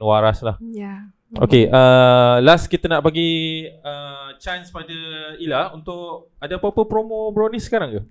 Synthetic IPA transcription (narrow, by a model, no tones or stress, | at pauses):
waɾaslah | ʔo̰keʔəlaskit̪ənaʔpaɡiət͡ʃanspadəilaunt̪ʊʔ | adapəpəpɾomõbɾonisə̥kaɾaŋku